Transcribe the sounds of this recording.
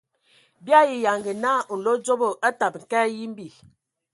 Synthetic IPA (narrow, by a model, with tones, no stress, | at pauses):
bja˦ji˨ja˨ŋɡə˨na˦˨n̩˨lo˦d͡zo˦bo˨ʔa˦ta˨p̚ŋ̩˨kɛ˦ji˦m˦bi˨